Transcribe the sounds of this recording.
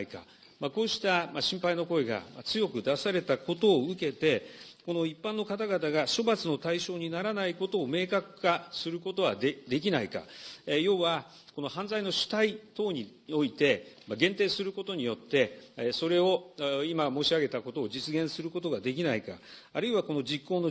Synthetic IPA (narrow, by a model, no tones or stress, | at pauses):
ika̰ | mako̞ːɕi̥t̪amaɕĩmpaino̞ko̞eɡa̰mat͡sɨjo̞kɯ̟d̪asaɾe̞t̪ako̞t̪o̞ːɯ̟ke̞t̪e̞ko̞no̞ipːãnːo̞kat̪aɡat̪aɡaɕo̞bat͡sɨno̞t̪aiɕo̞ːɲ̟inaɾanaiko̞t̪o̞ːme̞ːkakɯ̟̥kasɨɾɯ̟ko̞t̪o̞βad̪ed̪e̞k̬ʲinaika̰jo̞ːβa | kono̞hãnd͡zaino̞ɕi̥t̪ait̪o̞ːɲ̟io̞it̪e̞maɡẽ̞nt̪e̞ːsɨɾɯ̟ko̞t̪o̞ɲ̟ijo̞t̪ːe̞so̞ɾe̞o̞imamo̞ːɕiaɡe̞t̪ako̞t̪o̞ːd͡ʑit͡sɨɡẽ̞ɰ̃sɨɾɯ̟ko̞t̪oɡad̪e̞k̬ʲinaika̰ | aɾɯ̟iβako̞no̞d͡ʑikːoːno̞